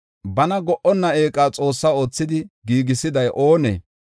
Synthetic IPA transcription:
bɐnɐɡɔʔɔnːɐeːkʼaːt͡sʼo̞ːsːaːo̞ːt͡sːɪd̪ɪɡiːɡɪsɪd̪ɐjʔoːnḛː

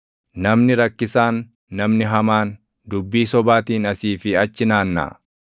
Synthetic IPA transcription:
nɐmnɪɾɐkːɪsaːnː | ɐmnɪɦɐmaːn | d̪ʊbːiːsɔbaːt̪iːnɐsiːfɪɐt͡ʃːɪnaːnːa̰ː

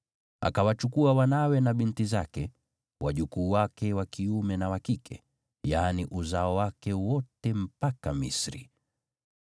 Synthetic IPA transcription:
a̰kawat͡ʃukuawanawɛnaɓintizakɛ | wʔaʄukuːwakɛwakiumɛnawakikʰɛ | jaːniʔuzaɔwakɛwɔtɛm̩pakamḭsɾḭ

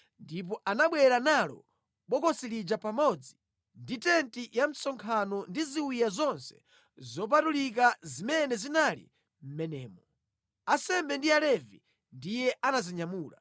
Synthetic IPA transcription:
ndip̬ɔʔanaɓwɛɾanalɔ̰ | ɓɔkɔsilid͡ʒapamɔd͡zi | nditɛntijam̩sɔŋkʰanɔndiziwijazɔnsɛ̥̰ | zɔp̬atulik̬azimɛnɛzinalḭ | m̩mɛnɛːmɔ | asɛmbɛndialɛvḭ | ndijɛʔanaziɲamuːla̰

